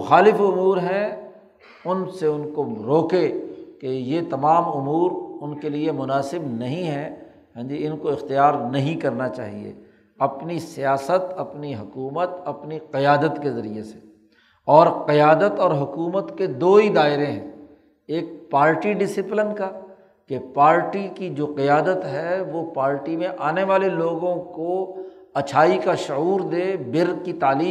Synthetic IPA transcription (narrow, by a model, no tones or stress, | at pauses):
ʊxaːlɪfʊmuːɾɦɛ̃ | ʊnseʊnkoɾoːkekejet̪ɐmaːmʊmuːɾʊnkeliemʊnaːsɪbnɐɦĩɦɛ̃ | ɦɛ̃ːd͡ʒiɪnkoɪxt̪ijaːɾnɐɦĩkɐɾnat͡ʃa̰ːɦḭḛ | ɐpnisijaːsət̪ɐpniɦʊkuːmət̪ɐpniqɪjaːd̪ət̪kezɐɾijese̥ | ɔːɾqɪjaːd̪ət̪ɔːɾɦʊkuːmət̪ked̪oːid̪aːɪɾẽɦɛ̰̃ː | eːk̚paːɾʈiɖɪsɪplɪnka | kepaːɾʈikid͡ʒoːqɪjaːd̪ət̪ɦɛʋopaːɾʈimẽʔaːneʋaːleloːɡõko | ɐt͡ʃʰaːikaʃʊuːɾd̪eːbɪɾkit̪aːliː